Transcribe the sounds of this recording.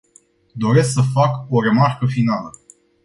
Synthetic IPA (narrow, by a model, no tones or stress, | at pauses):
d̪o̞ɾe̞sksəfako̞ɾe̞markəfinalə